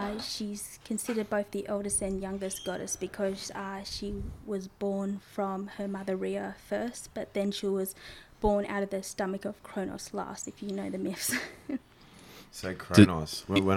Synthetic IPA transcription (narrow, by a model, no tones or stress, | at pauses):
ʃiz̥kʰɨ̃nsɪɾə˞d̚boʊθðiʔoʊlˠdɨstɨ̃njʌ̃ŋɡɨsɡ̥ɑɾɨ̰sb̥ɨkʰʌz̥ʃiwʌzbɔɹnfɹʌ̃mə˞mʌðəɹiəfɜ˞st̚b̥ʌt̪̚ðɨ̃nʃiwʌzb̥ɔɹnʔa̰ʊɾʌvðɨstʌmɨkʌv̥kʰɹ̥õʊ̃ñɔ̰slɑ̰stɨfjɨnoʊðɨmɪfs | sokʰɹ̥onɔ̰swə̃